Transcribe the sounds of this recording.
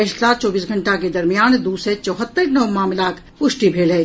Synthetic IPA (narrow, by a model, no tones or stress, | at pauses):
ɛʃsaːt͡ʃɔːbiːsɡʱə̃ɳʈaked̪ɐɾmijaːnd̪uːset͡ʃɔːɦət̪ːəɾnɐwmaːmɪlaːk | pʊʃʈibʱeːlɦɛ